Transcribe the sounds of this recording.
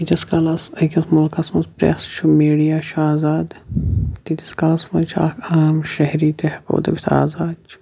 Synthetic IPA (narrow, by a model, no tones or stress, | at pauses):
it̪ʲɐskɐlɐsɐkʲɐsmulkɐsmɐspɾḛsʃʰumiːɽijaːʃaːzaːd̪t̪it̪ɐskɐlɐsmɐnt͡ʃʰa̰ːkʰaːmʃɐɦɾiːt̪ehɐko̰ːd̪ɐbʲit̪ʰa̰ːzaːt͡ʃʰ